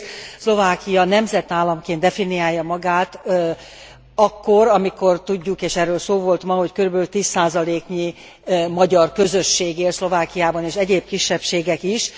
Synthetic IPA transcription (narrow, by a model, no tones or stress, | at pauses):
slo̞vaːkijɒnɛmzɛt̪aːlːɒmkeːnd̪ɛfinijaːjːɒmɒɡaːt̪ | ɒkːoɾɒmiko̞rt̪uɟːukeːʃɛrːøːlsoːvo̞lt̪mɒɦo̞ckøɾybɛlylt̪iːsːaːzɒleːkɲi | mɒɟɒrkø̞zø̞ʃːeːɡeːlslo̞vaːkijaːbɒneːʃɛɟeːb̚kiʃːɛpʃeːɡɛkiʃ